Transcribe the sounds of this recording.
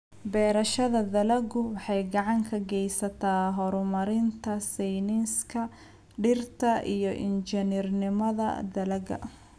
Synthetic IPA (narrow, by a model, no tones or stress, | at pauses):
bɛːɾɐʃɐðɐd̪ɐlɐɡʊwɑħɑjɡɑʕɑŋkʰɐɡɛjsɐt̪ʰaːɦɔɾʊmɐɾɪnt̪ʰɐsɛjnɪnskʰɐ | ɖɪrt̪ʰɐʔijɔʔɪ̰nt͡ʃɛnɪrnɪmɐðɐ̰d̪ɐlɐɡɐ̰